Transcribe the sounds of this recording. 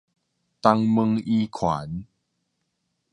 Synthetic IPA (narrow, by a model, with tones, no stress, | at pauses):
t̪a˧ŋmə˧ŋi˦kʰwa˨˩˦n